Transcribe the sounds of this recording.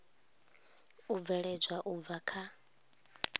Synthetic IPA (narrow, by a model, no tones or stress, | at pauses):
ub̪vɛɺɛd͡ʒwaʔub̪vakʰa